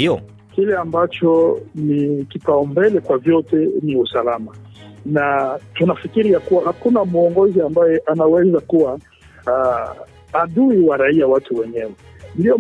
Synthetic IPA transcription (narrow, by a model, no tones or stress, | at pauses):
iɔ | kilɛambat͡ʃɔnikipaɔmbɛlɛkwavjɔtɛniusalamanatunafikiɾijakuwahakunamuɔŋɡɔziambajɛʔanawɛzakuwa | ɗuiwaɾaiawatuwɛɲɛwɛ | ndiɔ